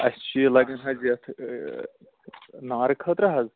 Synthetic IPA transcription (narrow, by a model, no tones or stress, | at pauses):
ɐst͡ʃilɐɡɐnɦɐzɐt̪ʰ | naːɾɨkʰɐt̪ɾɐɦɐz